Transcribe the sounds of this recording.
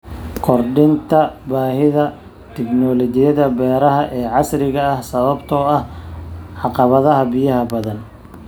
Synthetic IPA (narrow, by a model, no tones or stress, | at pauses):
kʰɔrɖɪnt̪ʰɐbaːhɪðɐ | t̪ʰɪknɔːlɔt͡ʃɪjɐðɐbɛːɾɐɦɐʔɛːʕɑsɾɪɣɐːhsɐβɐbt̪ʰɔːɐhʕɑqɑβɐðɐɦɐbijɐɦɐbɐðɐn